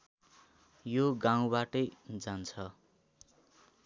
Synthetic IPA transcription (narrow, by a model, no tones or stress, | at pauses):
joɡaw̃baʈʌjd͡zant͡sʰʌ